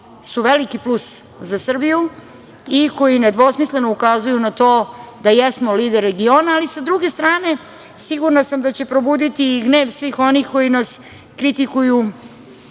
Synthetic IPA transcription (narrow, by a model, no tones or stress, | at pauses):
suʋelikiplus | zasr̩biju | iko̞jined̪ʋo̞smisle̞noukazujunat̪o̞ːd̪ajesmo̞liːd̪eɾːeɡio̞ːnaːlisad̪ɾuɡe̞st̪ɾaːne̞ | siɡuɾnasamd̪at͡ɕe̞pɾo̞buːd̪it̪iɡne̞ːʋsʋiːxo̞nixko̞jinas | kɾit̪ikuju